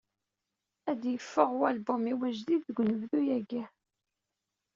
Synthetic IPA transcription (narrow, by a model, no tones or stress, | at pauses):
æd̪jəfːəʁwælbumiwæʒðiðːəɡʷnəvðujæɡæ